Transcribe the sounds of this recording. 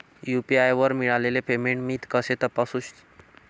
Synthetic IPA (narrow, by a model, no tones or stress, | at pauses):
jupiajʋəɾmiɭalelepemẽɳʈmit̪kəset̪əpasuɕ